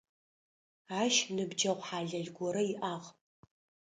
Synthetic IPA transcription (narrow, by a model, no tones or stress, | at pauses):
aːʃnɨbd͡ʒɐʁʷħaːɮɐɮɡʷɔɾɐiʔaːʁ